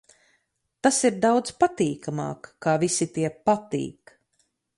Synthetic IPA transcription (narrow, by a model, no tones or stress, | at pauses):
t̪asiɾd̪awd̪zpat̪iːkamɑ̰ːkːaːvisit̪iɛpat̪ḭːk